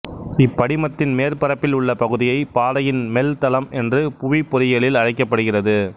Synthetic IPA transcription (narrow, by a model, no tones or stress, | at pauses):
ɪpːɐɽɪmɐt̪ːɪnmeːrpɐɾɐpːɪlʊɭːɐpɐɣɯðɪjɐɪpaːðɐjɪnmɛlt̪ɐlɐmʔɛndrɯpʊʋipːɔɾɪjɐɭɪlɐɻɐɪkːɐpːɐɽɯɣɪrɐðɯ